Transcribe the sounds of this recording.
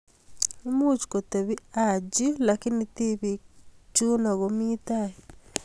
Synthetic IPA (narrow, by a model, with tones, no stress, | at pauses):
i˦mu˦t͡ʃko˨te˨βi˦ad͡ʒi˦laki˦niti˦βit͡ʃu˦na˨ɣomitaji